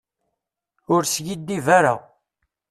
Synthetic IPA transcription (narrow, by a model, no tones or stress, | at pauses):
ʊɾsjid̪ːivaɾa̰